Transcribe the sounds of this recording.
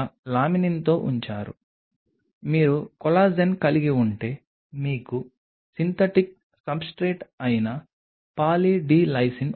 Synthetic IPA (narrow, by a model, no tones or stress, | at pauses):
laːminint̪o̞ːʔuɲt͡ʃaːɾṵ | miːɾukɔlaːd͡ʒɐnkɐliɡiuɳʈe̞ː | miːku | sint̪ʰɐʈik̚ | sɐbsʈɾeːʈɐjnɐ | paːliɖiːlɐjsin